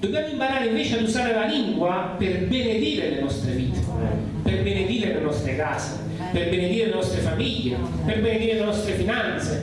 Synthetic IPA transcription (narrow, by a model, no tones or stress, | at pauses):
d̪objamoimpaɾaːɾeiɱveːt͡ʃɪad̪uzaːɾelaliŋɡwaperbened̪iːɾelenɔst̪ɾeviːt̪ʰe̥ | perbened̪iːɾelenɔst̪ɾekaːse | perbened̪iːɾelenɔst̪ɾefamiʎːe | perbened̪iːɾelenɔst̪ɾefinant̪se